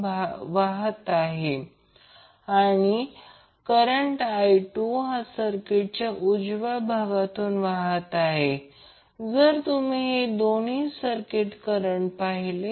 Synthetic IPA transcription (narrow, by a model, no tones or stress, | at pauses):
ʋaɦət̪aɦe | aɽ̃i | kəɾəɳʈajʈuɦasəɾkeʈ̚t͡ɕjaʔud͡zʋabʱaʋat̪uːnʋaɦət̪aɦe | d͡zəɾt̪um̤iɦed̪oniːsəɾkeʈkəɾəɳpaɦile